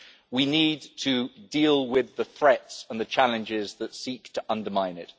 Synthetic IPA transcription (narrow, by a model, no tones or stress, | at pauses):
winiːd̚tʰədiːlˠwɪðəθɹɛtsə̃nðət͡ʃʰalɨ̃nd͡ʒɪzðətsiˑktʰəʔʌ̃ndəmãɪ̃nɪt